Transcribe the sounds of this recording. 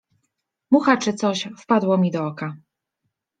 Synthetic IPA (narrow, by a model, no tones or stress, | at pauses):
muxat͡ʂɘt̪sɔɕfpad̪wɔmʲid̪ɔɔka